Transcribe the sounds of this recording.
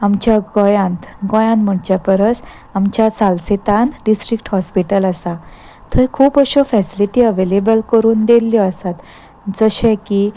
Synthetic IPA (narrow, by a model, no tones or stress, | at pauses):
amt͡ɕjaɡɔjãnt̪ɡɔ̃jãnm̤əɳt͡ɕjapəɾət͡s | amt͡ɕjasalset̪ãnɖisʈɾik̚ʈhɔspiʈələsa | t̪ʰəjkʰuːpəɕɔfɛsiliʈiːəʋelebəlkəɾuːnd̪elːjɔəsat̪ | d͡zəɕɛ̃ki